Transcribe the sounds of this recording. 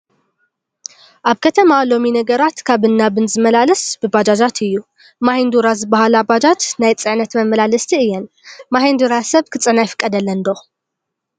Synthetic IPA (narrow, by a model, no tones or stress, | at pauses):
ʔaβkʰɐt̪ʰɐmalo̞minɐɡɐɾat̪kʰaβɨnːabɨnzɨmɐlalɐsb̥ɨbad͡ʒad͡ʒat̪ʰɨjːu | mahind̪uɾazɨbahalabad͡ʒat̪najt͡sʼɨʕnɐt̪mɐmːɐlalɐst̪ʰiɨjːɛn | mahind̪uɾasɐβkʰɨt͡sʼɨnajfɨ̥kʼːɐd̪ɐlːɐnd̪o